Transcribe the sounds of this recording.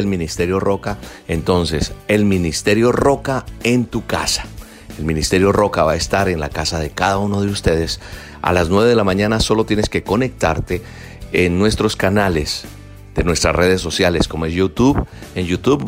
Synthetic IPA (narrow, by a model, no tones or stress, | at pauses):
elmĩnist̪e̞ɾjo̞ro̞kae̞nt̪o̞nse̞se̞lmĩnist̪e̞ɾjo̞ro̞kae̞nt̪uka̰sḁ | e̞lmĩnist̪e̞ɾjo̞ro̞kaβaest̪aɾe̞nla̰kasaðe̞kaðaunoðe̞ust̪e̞ð̞e̞s | a̰laznwe̞βe̞ð̞elamãɲãnaso̞lo̞t̪je̞ne̞ske̞ko̞ne̞k̚t̪aɾt̪e̞ː | nːwe̞st̪ɾo̞skanale̞z̥ | d̪̥e̞nwe̞st̪ɾa̰sre̞ðe̞sːo̞sjale̞skomoe̞sjut̪uβenjut̪uβ